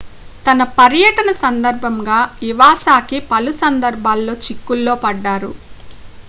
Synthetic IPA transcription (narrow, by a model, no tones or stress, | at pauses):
t̪ɐnɐpɐɾjɐʈɐnɐsɐnd̪ɐɾbʱɐmɡaːiʋaːsaːkipɐlusɐnd̪ɐɾbʱaːlːo̞ːt͡ʃikːulːoːpɐɖːaːɾṵ